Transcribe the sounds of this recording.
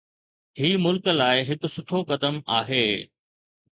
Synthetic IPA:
hiːmʊlkəlaːɪɦɪkʊ̆sʊʈʰokɐd̪əmaːɦeː

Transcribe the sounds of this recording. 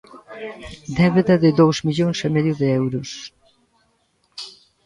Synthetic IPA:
d̪ɛβeðɐðɪðowzmiʎoŋsemeðjʊðeɛwɾʊs

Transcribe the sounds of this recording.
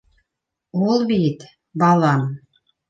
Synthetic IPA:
olˠbit̪ | bɑlˠɑm

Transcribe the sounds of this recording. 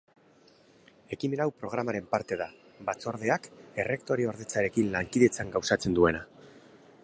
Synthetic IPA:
e̞kime̞ɾawpɾo̞ɣ̞ɾamaɾe̞mpaɾt̪e̞ða | bat͡so̞ɾðe̞ake̞re̞kt̪o̞ɾioɾðe̞t͡saɾe̞kinlaŋkiðet͡saŋɡawsat͡se̞nd̪ue̞na

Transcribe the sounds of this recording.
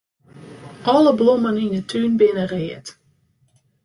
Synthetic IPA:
ʔɔləblɔməninətʰynbɪnərɪːət

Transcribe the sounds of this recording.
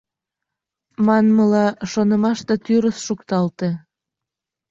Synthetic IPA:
mɑnməlɑʃonəmɑʃt̪et̪yɾəsʃukt̪ɑlt̪e

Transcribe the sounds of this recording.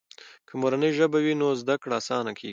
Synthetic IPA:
kʰəmoɾanəjʒəbawinozd̪akɽasɑnakʰḛɡi

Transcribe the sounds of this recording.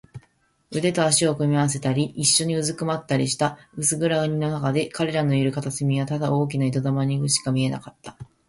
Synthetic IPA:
ɯ̟d̪e̞t̪o̞aɕio̞kɯ̟mʲiaβas̬e̞t̪aɾʲiʔːɕːo̞ɲ̟iɯ̟zɨkɯ̟mat̪ːaɾʲiɕi̥t̪aɯ̟sɨɡɯ̟ɾaɯ̟ɲ̟ino̞nakad̪e̞kaɾe̞ɾano̞iɾɯ̟kat̪asemʲiβat̪ad̪ao̞ːk̬ʲinait̪o̞d̪amaɲ̟iɡɯ̟ɕi̥kamʲie̞na̰kat̪ːḁ

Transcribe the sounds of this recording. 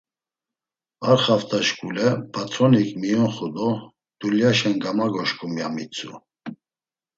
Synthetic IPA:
aɾχaft̪ʰaʃkʼulɛpʰat̪ʰɾɔnikʰʼmijɔnχud̪ɔ | d̪̥uljaʃɛnɡamaɡɔʃkʰumjamit͡sʰṵ

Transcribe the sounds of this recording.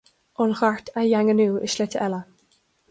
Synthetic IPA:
ɔnxaɹt̪ajaŋənuːə̰ʃlɛtəʔɛlə

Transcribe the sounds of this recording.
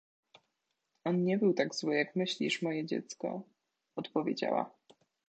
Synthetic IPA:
ɔnɲɛbɘwt̪aɡzwɘjakmɘɕlʲiʂmɔjɛd͡ʑɛ̰t̪skɔ̰ | ɔt̪pɔvʲjḛd͡ʑa̰wa̰

